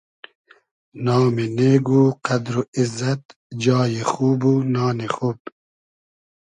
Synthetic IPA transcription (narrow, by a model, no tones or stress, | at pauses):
nɑːmeneːɡuːqad̪ɾuɪzɐt̪ | d͡ʒɑːjexuːbunɑːnexuːb